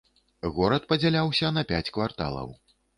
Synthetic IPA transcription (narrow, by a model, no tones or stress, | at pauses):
ɣɔɾɐt̪pɐd͡zʲalʲawsʲɐnɐpʲat͡sʲkvart̪a̰lˠɐ̰w